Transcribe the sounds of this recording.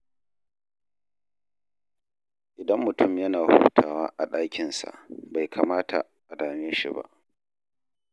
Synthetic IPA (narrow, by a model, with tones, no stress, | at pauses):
ʔɪ˨dɐ˦mːʊ˨tʊ˦˨mjɐ˦naː˨hṵː˦tʰaː˨waː˦ʔa˨ɗaː˦kʲɪ˨nsa̰˨ʔba˨jkʰa˨maː˦tʰa̰˨ | ʔa˨daː˨meː˦ʃḭ˨ba̰˦ʔ